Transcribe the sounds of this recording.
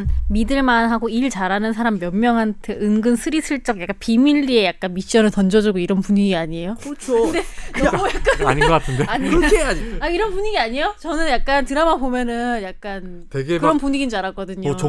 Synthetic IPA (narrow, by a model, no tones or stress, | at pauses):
nmidɯɭmanɦaɡoiɭt͡ɕaɾanɯnsʰaɾamːjʌmmjʌŋɦantʰeɯŋɡɯnsʰɯɾisʰɯɭt͡ɕ͈ʌɡ̚jak͈anpimiʎːie̞jak͈anmiɕ͈ʌnɯɭtʌnd͡ʑʌd͡ʑuɡoiɾʌnpuɲiɡiaɲiejot͡ɕʰoɯdejakk͈aaɲiɡʌk͈atʰɯndeaɲiaaiɾʌnpuɲiɡiaɲijot͡ɕʌnɯnjak̚k͈antɯɾamabomjʌnɯnjak̚k͈an | tweɡekɯɾʌnpuɲiɡinaɾak͈ʌdɯɲo